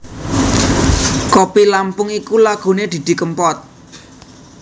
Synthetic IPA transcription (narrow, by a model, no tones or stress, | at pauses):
kopilampʊŋikulaɡ̥o̤ned̪̥i̤d̪̥i̤kəmpɔt̪̚